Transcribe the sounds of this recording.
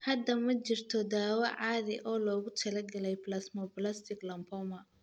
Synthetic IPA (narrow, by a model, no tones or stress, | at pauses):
hɐd̪ːɐmɐt͡ʃɪrt̪ʰɔd̪aːwɐʕaːðɪʔɔːlɔːɣʊt̪ʰɐlɐɡɐlɛjplɐsmɔblɐst̪ʰɪɡlɐmpʰɔmɐ